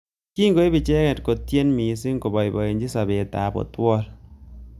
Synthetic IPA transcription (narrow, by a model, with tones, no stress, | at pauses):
ki˦ŋɡo˦e˦bi˨t͡ʃɛ˦kɛ˨tko˨tje˦nmi˨˦s̬ɪ˦ŋko˨bɔ˨jbɔ˨e˨nd͡ʒi˦sa˨be˨ta̰˨bo̰˨twɔ˦l